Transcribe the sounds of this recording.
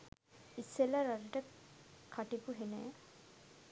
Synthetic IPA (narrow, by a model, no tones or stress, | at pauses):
isːelaɾaɾəʈəkʰaʈipuɦenɛ̰